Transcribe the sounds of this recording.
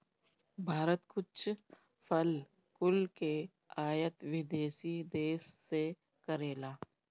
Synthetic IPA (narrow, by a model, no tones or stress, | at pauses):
bʱaːɾət̪kʊt͡ʃʰ | fʰəl | kʊlke | aːjət̪ʋɪd̪eːʃid̪eːsːe | kəɾeːlaː